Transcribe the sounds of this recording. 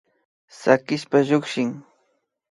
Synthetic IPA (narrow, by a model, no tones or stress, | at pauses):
sakɪspaʎʊkʃɪŋ